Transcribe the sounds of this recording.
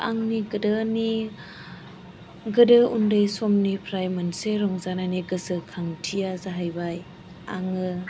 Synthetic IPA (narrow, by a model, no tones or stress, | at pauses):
ʔaŋniɡɯdɯni | ɡɯdɯundɯjsɔmnipʰɾajmanseɾɔŋzananiɡɯsɯkʰaŋtʰijazaɦajbaj | aŋɯ